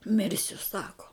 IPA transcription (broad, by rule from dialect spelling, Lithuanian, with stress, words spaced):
ˈmʲɪrʲsʲʊ ˈsɑːkoː